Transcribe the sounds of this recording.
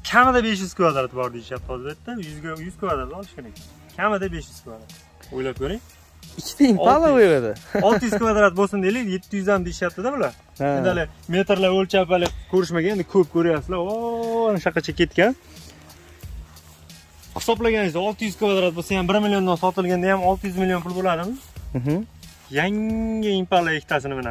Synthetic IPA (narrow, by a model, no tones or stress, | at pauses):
kʲʰamɪd̪abe̞ʃ̬jʏz̥kʰvad̪ɾat̪bɒɾd̪ejɪʃjap̚t̪ʰɪɒzbet̪ːɪjzʲjʊz̥kʲʰvad̪ɾat̪ɒlˠɪʃkʲe̞ɾakʲɪ | kʲʰamɪd̪abe̞ʃjʏz̥kʲʰvad̪ɾat̪ | ojlap̚kʰʲoɾɪŋ | ɪkʲʰːɪ̥t̪aɪmalaojɾad̪ɪɒlˠʰɪjʏz̥kʰvad̪ɾat̪̚bosɪnd̪elɪje̞t̪ʰːɪjʏzd̪amd̪eɪʃjap̚t̪ɪd̪abʊlaɾ | ed̪ɪalɪme̞t̪ɾlaolt͡ʃʰapalɪkʲʰɵɾɪʃmaɡʲane̞nd̪ɪkʰɵp̚kʲʰɵɾɪjasɪlaɒnɪʃaqːɑt͡ʃʰakʲe̞t̪̚kʲan | χɪ̥sɒblaɡʲanɪzd̪aɒlˠt̪ʰɪjyzkʰvad̪ɾat̪̚bosajambɪɾmɪlʲjond̪ansɒt̪ʰɪlˠɡʲand̪ajamɒlˠt̪ʰɪjyzmɪlijopʊlˠbolad̪ɪmɪzɦ | jaŋɪɪmpalˠaekʰʲɪ̥t̪ʰasɪnɪmɪna̰